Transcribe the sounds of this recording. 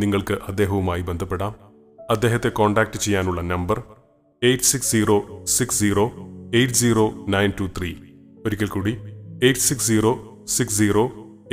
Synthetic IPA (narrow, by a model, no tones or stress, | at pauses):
niŋːɐɭkɨʔɐd̪ːeːɦɐʋumaːjibe̞nd̪ʱɐpːe̞ɽaːm | ɐd̪ːe̞ːɦɐt̪ːe̞ko̞ːɳɖaːk̚ʈɨt͡ɕe̞jːaːnuɭːɐnɐmbɐr | e̞jʈːsiksd͡ʑiːro̞ːsiksd͡ʑiːro̞ːejʈɨd͡ʑiːro̞ːnɐjntut̪ʰriː | oɾikʲːɐlkuːɽiejʈːsiksd͡ʑiːro̞ː | siksd͡ʑiːroː